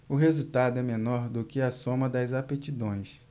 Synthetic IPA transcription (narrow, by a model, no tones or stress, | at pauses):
ʊɦezut̪ad̪ʊɛmenɔɾd̪ʊkɪɐsõmɐd̪ɐjzapet͡ʃid̪õj̃s